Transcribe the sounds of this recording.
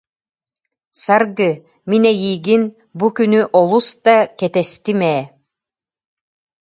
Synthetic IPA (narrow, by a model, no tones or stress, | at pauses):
saɾɡɯ | minɛjiːɡin | bukynyʔɔlˠust̪akɛt̪ɛst̪imɛː